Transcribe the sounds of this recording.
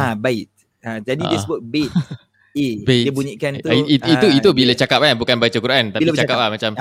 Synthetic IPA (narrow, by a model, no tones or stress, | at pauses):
abaɪt̪̚ | ad͡ʒadiisbək̚bet̪̚ | ebedibuɲikant̪uiit̪iuit̪ubilat͡ʃakap̚labukanbajt͡ʃakuɾʔant̪ailit͡ʃakaplahmat͡ʃam